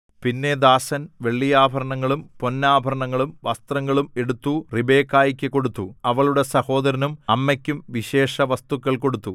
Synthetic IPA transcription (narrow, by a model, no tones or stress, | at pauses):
pinːe̞d̪aːsɐnʋe̞ɭːijaːbʱɐɾɐɳɐŋːɐɭumpo̞nːaːbʱɐɾɐɳɐŋːɐɭumʋɐst̪rɐŋːɐɭume̞ɽut̪ːuribe̞ːkːaːjɐkʲːɨkːo̞ɽut̪ːuɐʋɐɭuɽesɐho̞ːd̪ɐɾɐnumɐmːɐkʲːumʋiɕe̞ːʂɐʋɐst̪ukːɐɭko̞ɽut̪ːu